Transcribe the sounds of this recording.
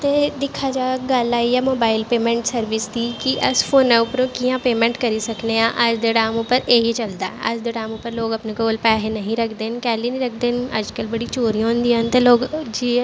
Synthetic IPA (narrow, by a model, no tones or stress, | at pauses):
t̪eːd̪ɪkʰaːd͡ʒaːɡəlaːijaːmoːbaːɪlpeːmɛ̃ːɳʈsəɾʋɪsd̪iːkiʔəspʰoːnɛ̃ːʊpɾõːkijãːpeːmɛ̃ɳʈkəɾiːsəkneːãːʔəd͡ʒd̪eɖaːmʊpəɾeɦit͡ʃəld̪aːɛʔəd͡ʒd̪əɖaːmʊpːəɾloːɡəpnẽkoːlpɛːɦenəɦĩɾəkʰd̪eːnkɛːliːnĩːɾəkʰd̪eːnə̰d͡ʒkəlbəɽiːt͡ʃoːɾijãːɦʊ̃nd̪iːənt̪eːloːɡd͡ʒiː